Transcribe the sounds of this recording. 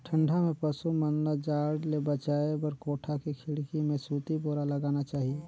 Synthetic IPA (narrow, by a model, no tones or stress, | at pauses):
ʈʰə̃ɳɖʱamẽpəsumənləd͡ʒaːɽlebət͡ʃaːebəɾkoːʈʰakikʰɪɽkimẽsuːt̪iboːɾaləɡaːnat͡ʃaːɦie